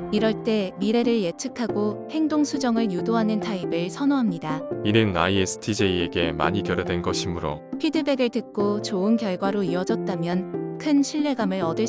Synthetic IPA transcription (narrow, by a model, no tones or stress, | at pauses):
iɾʌɭt͈e̞miɾe̞ɾɯɭjet͡ɕʰɯkʰaɡohe̞ŋdoŋsʰud͡ʑʌŋɯɭjudoɦanɯntʰaibɯɭsʰʌnoɦamɲidainɯna̰iesʰɯ̥tʰid͡ʑe̞ieɡe̞ma̰ɲikjʌɾedwe̞nɡʌɕʰimɯɾo̰pʰidɯbe̞ɡɯɭtɯk̚k͈ot͡ɕoɯnkjʌɭɡwaɾoiwʌd͡ʑʌt̚t͈amjʌnkʰɯnɕʰiɭːe̞ɡamɯɾʌdɯɭ